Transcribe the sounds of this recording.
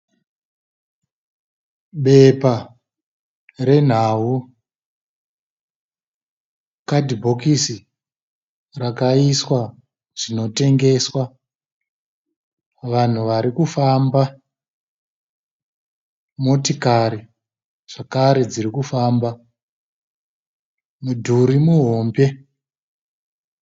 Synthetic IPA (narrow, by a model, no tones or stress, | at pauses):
ɓe̞pa | re̞n̤awu | kadʱibʱo̞kisi | rakaiswa | ʐino̞te̞ŋɡe̞swa | ʋan̤uʋaɾikufaːmba | mo̞tikaɾi | ʐ̥akaɾe̞d͡zirikufaːmba | mudʱuɾimuɦo̞ːmbe̞